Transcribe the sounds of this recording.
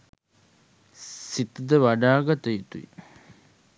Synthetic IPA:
sit̪əd̪əʋaɖaːɡat̪əjit̪uḭ

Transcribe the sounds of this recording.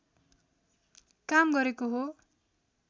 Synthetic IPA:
kamɡʌɾekoɦo

